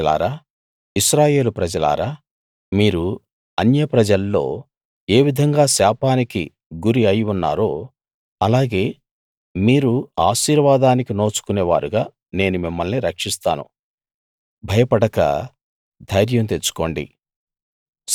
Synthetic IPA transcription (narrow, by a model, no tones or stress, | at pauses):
la̰ːɾaː | iʃɾaːje̞ːlupɾɐd͡ʒɐla̰ːɾaː | miːɾu | ɐnjɐpɾɐd͡ʒɐlːo̞̰ː | e̞ːʋid̪ʱɐŋɡaːsaːpaːniki | ɡuɾiɐjunːa̰ːɾoː | ɐlaːɡe̞ː | miːɾuaːʃiːɾʋaːd̪aːnikino̞ːt͡ʃu̥kuneːʋa̰ːɾuɡaː | ne̞ːnumimːɐlniɾɐkʂist̪a̰ːnṵ | bʱɐjɐpɐɽɐkɐ̰ | d̪ʱɐjɾjɐmt̪et͡ʃːu̥ko̞ːɳɖḭ